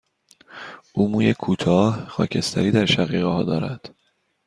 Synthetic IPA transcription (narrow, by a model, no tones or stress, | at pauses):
ʔuːmuːjekʰuːt̪ʰɒːhxɒ̰ːcʰe̞st̪ʰæ̰ɾiːd̪æɾʃæɣiːɣehɒːd̪ɒːɾæd̪̥